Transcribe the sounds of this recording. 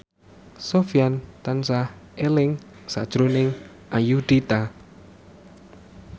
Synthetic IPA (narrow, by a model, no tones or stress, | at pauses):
sofiant̪ansahʔelɪŋ | sad̥ʒ̥ɾunɪŋ | ʔajuɖ̪̥it̪a